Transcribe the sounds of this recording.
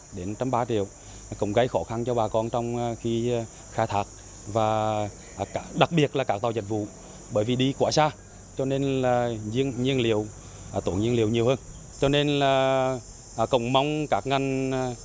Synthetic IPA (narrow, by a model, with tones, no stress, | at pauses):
ɗe˨˦nt͡ɕɔ˧mɓaː˧t͡ɕḭ˧˨əw | kə̰˧˨wŋ͡mɣə˨˦jxɔ˧˨˦xa˧nt͡ɕɔ˧ɓaː˨˩kɔ˧nt͡ɕɔ˧wŋ͡mxi˧ | xaː˧˩t̪ʰaː˨˥k̚ | vaː˨˩˨ | a˧˩ɗa˨˩k̚ɓi˨˩ət̚laː˨˩kaː˦˥kt̪a˨˩wzə̰˨˩k̚vṵ˧˨ | ɓəː˧˩jvi˨˩ɗi˧kwaː˧˩saː˧ | t͡ɕɔ˧ne˧nlaː˨˩zi˧ənɲi˧ənli˧˨əw | t̪o˨˧˩ɲi˧əli˧˨wɲi˨˩əwhəː˧n | t͡ɕɔ˧ne˧nlaː˨˩˨ | kə̰˧˨wŋ͡mma˧wŋ͡mkaː˦˥k̚ŋa˨˩jŋ̟˨